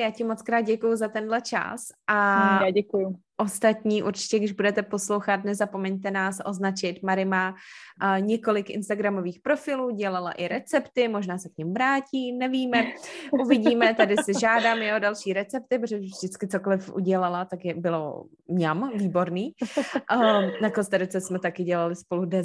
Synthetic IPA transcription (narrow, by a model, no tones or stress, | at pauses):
jaːcɪmot͡skɾaːd̪̚ɟɛkujuzat̪ɛndlɛt͡ʃa̰sʔaaɟɛkujʊ | ʔo̞st̪at̪ɲiːʔuɾt͡ʃɪ̥cɛɡdɪʒbudɛt̪ɛpo̞slo̞wxat̪nɛzapomɛɲt̪ɛnaːsʔoznat͡ʃɪt̪maɾɪmaː | ɲɛko̞lɪkʔɪ̰nst̪aɡɾamo̞viːxpɾo̞fɪluːɟɛlala̰ʔɪɾɛt͡sɛpt̪ɪmo̞ʒnaːsɛkɲɪmvɾaːciːnɛviːmɛuvɪɟiːmɛt̪adɪsɪʒaːdaːmjodalʃiːɾɛt͡sɛp̚t̪ɪpɾoʒɛvʒdɪt͡skɪt͡sokolɪfʔṵɟɛlalat̪akjɛbɪlo̰ | mɲamviːbo̞ɾniː | nakonst̪aɾʊt͡sɛsmɛt̪akɪɟɛlalɪspo̞ludɛ